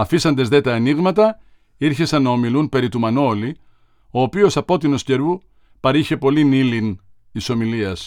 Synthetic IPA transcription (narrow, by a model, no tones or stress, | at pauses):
ɐfisɐnd̪ezðe̞t̪ɐːniɣmɐt̪ɐ | iɾçe̞sɐnːɐo̞milunpe̞ɾit̪umɐnoli | o̞ːpio̞sɐpo̞t̪ino̞sce̞ɾu | pɐɾiçe̞po̞linilint̪iso̞miliɐs